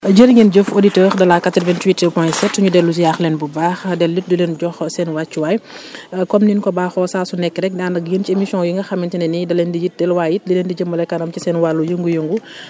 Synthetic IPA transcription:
ɟəɾŋinɟəfoditɛːɾdɐlakatɾvɛntwitəpɔjsɛtsuɲudɛlːuz̬ijaxlɛnbubaːxdɛlːit̚dulɛnɟɔxsɛnwat͡ʃːuwajkɔmninkɔbaːxɔsaːsunɛkːɾɛk̚daːndɐk̚jəncemisiɔ̃njiŋɡɐxɐmintinɛnidɐlɛndijit̚dɛlwaːjit̚dilendiɟəmːɐlɛkːɐnɐmcisɛnwalːujəŋɡujəŋɡu

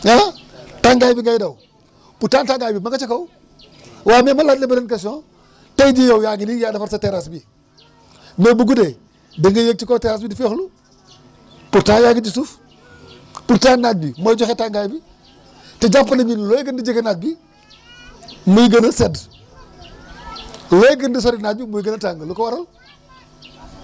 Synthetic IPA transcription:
ja | taŋɡajbiŋɡajdaw | putantaŋɡajbimaɡat͡ʃekaw | waːmemaladlebɐnenkaso | tajd͡ʒijawjaɡinijadɐfaɾsateɾasbi | mebuɡude | deŋɡɐjek̚t͡ʃikoːteɾas̬bidifexlu | puɾtaːjaɡid͡ʒisuf | puɾtanat̚bimod͡ʒoxetaŋɡaːjbi | tɐd͡ʒapːɐnɐɲinloːjɡəndid͡ʒikenat̚bi | mujɡɐnɐsed | loːjɡəndis̬oɾinad̚bimujɡɐnɐtaŋɡɐlukɐwaɾal

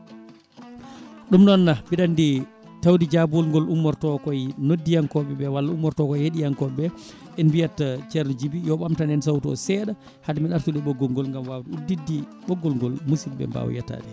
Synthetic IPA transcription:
ɗumɗɔnːabiɗandi | tawdid͡ʒabɔlŋɡɔlumːɔɾtɔkɔjnodːijaŋkɔɓɛbɛwalːaumːɔɾtɔkɔjheɗijankɔɓɛ | ʔɛnbijatːat͡ʃɛɾnɔd͡ʒibijɔɓamtanɛnsawtɔ̰sɛɗa | hadmiɗaɾtuɗɛɓɔɡːɔŋɡɔlŋɡamwawduudːidːiɓɔɡːɔlŋɡɔlmusilbɛ̰mba̰w̰ja̰ta̰ɗɛ

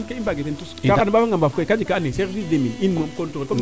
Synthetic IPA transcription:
keibaɡetentuskakanibafaŋɡambafukkad͡ʒikaneseɾvisdemininmomkontuko

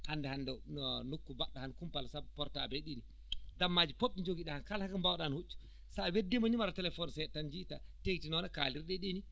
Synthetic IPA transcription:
handɛhandɛnukːubaɗːɔhankumpalasabpɔɾtabeɗini | damːad͡ʒipoɓːid͡ʒoɡiɗahankalhakambawɗanhut͡ʃːu̥ | sawedːimaɲimaɾatɛlɛfɔnsɛtːand͡ʒitateɡitinɔnaka̰liɾɗɛɗini

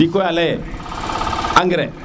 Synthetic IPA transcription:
ikojalɛjɛ | aŋɡɪɾɛ

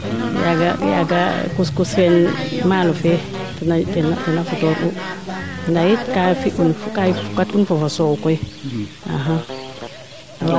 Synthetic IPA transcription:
jaɡa̰ja̰ɡakuskusfɛnmalɔfɛ | tanatɛnatɛnafutɔɾu | ndajitkafiʔunfkafukatunfɔfasɔkɔj | a̰ɦa

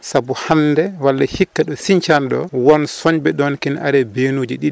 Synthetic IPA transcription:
sabuhandɛwalːahikːaɗɔsiɲt͡ʃanɗɔwɔnsɔɲbɛɗɔnkɛnʔaɾɛbenuːd͡ʒiɗiɗ

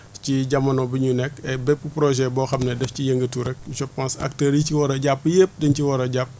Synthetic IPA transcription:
ciɟɐmɐnɔbiɲunɛkɛbɛpːupɾɔʒɛbɔːxɐmnɛdɛfcijəŋɡətuɾɛk̚uʃɔpãnsɐ̰k̚təːɾiciwɔɾɐɟapːjep̚dɐɲciwɔɾɐɟap̚

